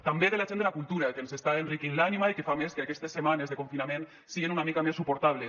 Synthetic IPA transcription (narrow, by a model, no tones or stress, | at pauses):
t̪ambeðelaʒend̪elakulˠt̪uɾakensest̪aenrikinlanimaikefameskeakɛst̪esːemanezðekoɱfinamẽn | siɣenunamikamesːupoɾt̪aβle